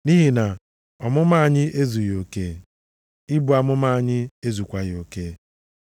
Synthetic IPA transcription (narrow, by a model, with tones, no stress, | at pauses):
ni˦ɦi˨na˨ | ɔ˨mʊ˦ma˦a˨ɲɪ˦ʔe˦zu˨jo˨ke˦ | ɪ˦bʊ˨a˨mʊ˦ma˦a˨ɲɪ˦e˦zu˨kʷa˦ɣo˨ke˦